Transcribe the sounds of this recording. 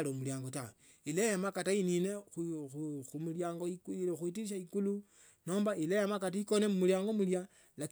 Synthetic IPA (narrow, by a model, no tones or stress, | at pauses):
lomuljaːŋɡotawe | ilejamakataininexxumuljaːŋɡoixwitiiʃ̬aikulu | no̞ːmbailejamakataikone̞mumuljaːŋɡomulja | lak